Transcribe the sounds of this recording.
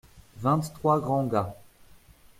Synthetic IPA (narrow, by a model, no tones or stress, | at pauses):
vɛ̃t̪ːχwaɡʁɑ̃ɡa